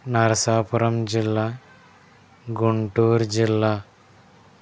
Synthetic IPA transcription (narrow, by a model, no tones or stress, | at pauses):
nɐɾɐsaːpʊɾɐmd͡ʒɪlːaː | ɡuɳʈuːɾd͡ʒilːaː